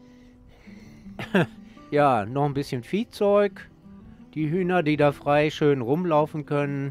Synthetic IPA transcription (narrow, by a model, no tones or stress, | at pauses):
jaːnɔχn̩bɪsçənfiːt͡sɔʏk | d̥iːɦyːnɐdiːdaːfʁ̥aɪʃøːnʁʊmlaʊfn̩kʰœnən